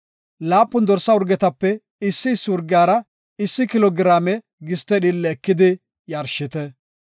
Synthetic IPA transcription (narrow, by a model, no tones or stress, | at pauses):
laːpːʊnd̪ɔɾsːɐʊɾɡɛt̪ɐpːɛ | ɪsːɪɪsːɪʊɾɡɪaːɾɐ | ɪsːɪkɪlɔɡɪɾaːmɛ | ɡɪst̪ɛɗɪlːɛːkːɪd̪ɪ | jɐɾʃɪt̪ɛ